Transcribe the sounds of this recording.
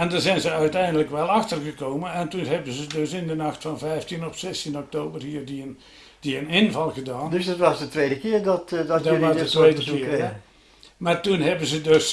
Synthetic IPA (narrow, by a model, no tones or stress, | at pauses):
ɛndɑzɛjnzəœɥtɛjndələkʋɛlˠɑxtərɣəkoːmənɛntunɦɛbənzədøsɪndənɑxtfɑnvɛjftinɔfsɛstinɔk̚toːbərhiːrdiən | d̥iənɪnvɑlˠɣədaːndøsdɔtʋɑsdətʋeːdəkɪərdɔtddʋɑsdətʋejdəkɪəɛ | martunɦɛbənzədøs